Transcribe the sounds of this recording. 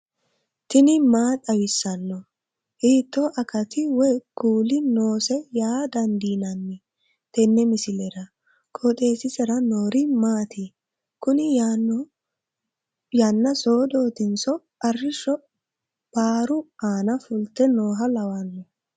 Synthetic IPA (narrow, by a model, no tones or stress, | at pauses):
t̪ɪnɪmaːt̪ʼɐwɪsːɐnːɔ | hiːt̪ːoʔɐkɐt̪ɪwɔjkuːlɪno̞ːsɛjaːd̪ɐnd̪iːnɐnːɪ | t̪ɛnːɛmɪsɪlɛɾɐ | kʼot̪ʼe̞ːsɪsɛɾɐnoːɾɪmaːt̪ɪ | kʊnɪ | janːɐso̞ːd̪oːt̪ɪnsɔ | ɐrːɪʃːɔ | b̥aːɾʊaːnɐfʊlt̪ːɛnoːɦɐlɐwɐnːɔ